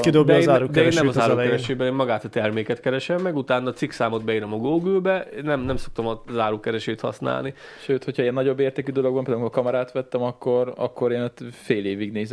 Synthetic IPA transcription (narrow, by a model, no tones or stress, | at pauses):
kid̪obd̪zaːɾud̪ɛeːnːɛmɒzaːɾɾukɛɾɛʃeːbɛneːmmɒɡaːt̪ɒt̪ɛrmeːkɛt̪kɛɾɛʃɛmːɛɡut̪aːnːɒt̪siksaːmod̪bɛiɾomɒɡoːɡøːbɛeːnɛmnɛmso̞k̚t̪omɒzaːɾuːkɛɾɛʃeːt̪hɒ̰sna̰ːlni | ʃøːt̪ho̞cʰɒiːɛnːɒɟo̞bːeːrtd̪ɛkyd̪o̞loɡbɒmped̪amikokɒmɒɾaːt̪ʋɛt̪ːɛmɒkːo̞ɾɒ̰kːo̞ɾeːnot̪feːleːviɡneːzɛ